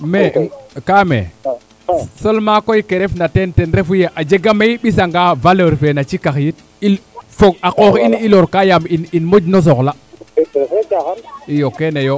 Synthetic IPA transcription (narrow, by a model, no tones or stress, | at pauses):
mekamḛ | solmakoikeɾefnatentenɾefujeʔad͡ʒeɡameiɓis̬aŋɡavaləɾfenat͡ʃikaxjit̚ | ilfoɡakoxiniloɾkajamininmod͡ʒnos̬okla | ijokenejo